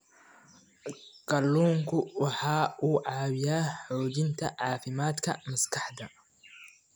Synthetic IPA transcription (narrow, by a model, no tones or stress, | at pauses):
ɡ̥ɐlːuːŋkʰʊwɑħɑːʔuːʕɑːwɪjaːħɔːd͡ʒɪnt̪ʰɐʕɑːfɪmaːd̪kʰɐ̰mɐskʰɑħd̪ɐ